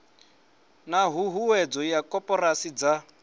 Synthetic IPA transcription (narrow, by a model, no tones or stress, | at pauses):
naɦuɦuwɛd͡zɔjakʼɔpʼɔrasid͡za